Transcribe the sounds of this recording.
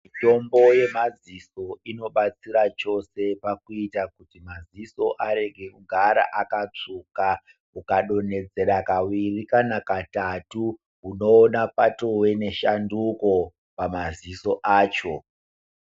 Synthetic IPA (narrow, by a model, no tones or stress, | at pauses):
ito̞mbo̞je̞maziso̞ino̞ɓat͡siɾat͡ʃo̞se̞pakuitakutimaziso̞ʔaɾe̞ɡʱe̞kuɡʱaɾa̰ʔakat͡ʂuka | ukaɗo̞ne̞d͡ze̞ɾakawirikanakatatu | ɦuno̞ːnapato̞we̞ne̞ʃanduko̞ | pamaziso̞ʔaːt͡ʃo̞